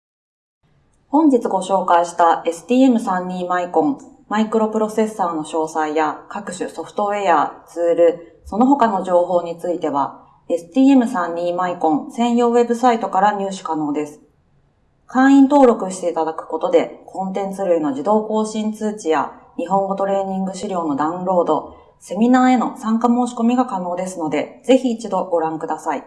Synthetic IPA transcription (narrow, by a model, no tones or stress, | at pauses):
hõ̞ɲ̟d͡ʑit͡sɨɡo̞ɕo̞ːkaiɕi̥t̪ae̞sɨ̥t̪ʲiːe̞mɯ̟sãɲːĩmaikõ̞ɴ | maikɯ̟ɾo̞pɯ̟ɾo̞se̞sːaːno̞ɕo̞ːsaijakakɯ̟ɕɨso̞ɸt̪o̞e̞at͡sɨːɾɯ̟ | so̞no̞ɦo̞kano̞ʑo̞ːɦo̞ːɲ̟it͡sɨit̪e̞βa | e̞sɨ̥t̪ʲiːe̞mɯ̟sãɲ̟ːiːmaikõ̞ñsẽ̞ɰ̃jo̞ːβe̞bɯ̟sait̪o̞kaɾaɲʲɯːɕɨ̥kano̞ːd̪e̞sɨ̥ | kãɰ̃ĩnt̪o̞ːɾo̞kɯ̟ɕi̥t̪e̞it̪ad̪akɯ̟̥ko̞t̪o̞d̪e̞kʰõ̞nt̪ẽ̞nt͡sɨɾɯ̟ino̞ʑid̪o̞ːko̞ːɕĩnt͡sɨːt͡ɕija̰ɲ̟iɦõ̞ŋɡo̞t̪o̞ɾe̞ːɲ̟ĩŋɡɯ̟ɕiɾʲo̞ːno̞d̪aɯ̟̃nɾo̞ːd̪o̞ | se̞mʲinaːe̞no̞sãŋkamo̞ːɕi̥ko̞mʲiɡakano̞ːd̪e̞sɨno̞d̪e̞ze̞çiːt͡ɕid̪o̞ɡo̞ɾãŋkɯ̟d̪asai